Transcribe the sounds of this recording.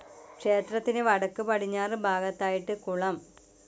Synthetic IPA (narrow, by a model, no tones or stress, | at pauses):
kʂe̞ːt̪rɐt̪ːinɨʋɐɽɐkːɨpɐʈʰiɲːaːrɨbʱaːɡɐt̪ːaːjiʈːɨkuɭɐm